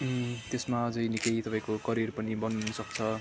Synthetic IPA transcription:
t̪esmaʌd͡zʌjnikʌjt̪ʌpãĩkokʌɾirpʌnibʌnunʌsʌk̚t͡sʰʌ

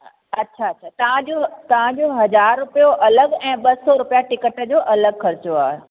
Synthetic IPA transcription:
ɐtːɕʰaɐtːɕʰat̪ɐʋ̤ãd͡ʑot̪ɐʋ̤ãd͡ʑoɦɐd͡ʑaːɾːʊpijoʔɐləɡɛ̃ːɓɐsɔɾʊpijaʈɪkəʈəd͡ʑoːʔɐləɡkʰɐɾɪt͡ɕoaːɦe

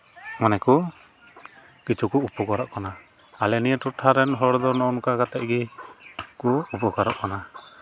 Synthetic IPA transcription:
manɛkɔ | kit͡ʃʰukɔupɔkɔɾɔʔkana | alɛniəʈuʈʰaɾɛnɦɔɾd̪ɔɾnɔɔnkaɡat̪aʔ̚ɡɛ | kɔupɔkaɾɔʔkana

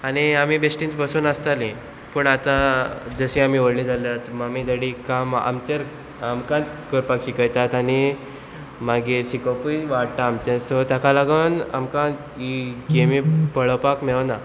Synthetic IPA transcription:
aɽ̃iamibesʈĩnt̪bəsuːnast̪alĩ | pəɳat̪ãd͡zəɕiam̤iʋəɽlid͡zaljat̪mamid̪əɽikama̰mt͡ɕəɾ | amkãnt̪kəɾpakɕikəjt̪at̪ani | maɡeɕikəpujʋaʈt̪aːmt͡ɕẽsɔt̪jakalaɡəna̰mkã | iɡemipəɭəpakmɛna

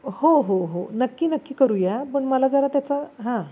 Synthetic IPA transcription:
hoɦoɦonəkːiːnəkːiːkəɾujapəɳməlad͡zəɾat̪jat͡saɦã

